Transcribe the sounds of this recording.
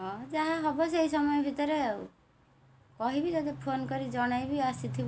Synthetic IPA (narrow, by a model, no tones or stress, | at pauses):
ɦɔ̃d͡ʒaɦaɦɔbɔs̬ejsɔmɔjɔbʱit̪ɔɾe | kɔɦibid͡ʒɔd̪epʰonkɔɾid͡ʒɔɽ̃ajbiasit̪ʰib